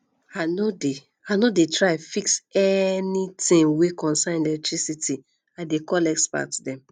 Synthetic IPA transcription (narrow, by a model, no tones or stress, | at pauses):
anode | anodetʰɹaafiksɛnitĩŋwekɔ̃nsãnɛlɛk̚tʰɹisiti | adekɔlɛkspa̰ktdɛ̃m